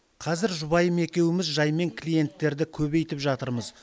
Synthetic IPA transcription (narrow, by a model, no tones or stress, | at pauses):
qʰɑzɪɾʒʊbɑjəme̞kʲe̞wɪmɪzʒɑjme̞ŋkʲʰlʲije̞nt̪ːe̞ɾd̪ɪkʲʰɵβe̞jt̪ɪpʒɑt̪əɾməz